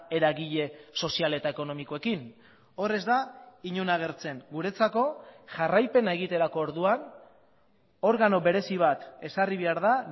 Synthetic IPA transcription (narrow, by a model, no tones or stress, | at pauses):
e̞ɾaɣiʎe̞so̞siale̞t̪aeko̞no̞miko̞e̞kin | o̞re̞zd̪aiɲunaɣ̞e̞rt͡se̞ŋɡuɾe̞t͡sako̞ʝarajpe̞nae̞ɣ̞it̪e̞ɾako̞ːɾðuan | o̞ɾɣano̞βe̞ɾe̞siβ̞at̪e̞sariβ̞e̞aɾða